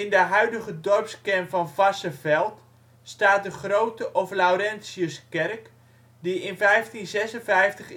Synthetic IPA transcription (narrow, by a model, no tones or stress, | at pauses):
ɪndəɦœɥdəɣədɔrpskɛmvɔnvasəvɛlˠt | staːt̚dəχrowtəʔɔflawɾɛnsjəskɛrk | diɪnfɛjftinzɛsənvɛjftəχ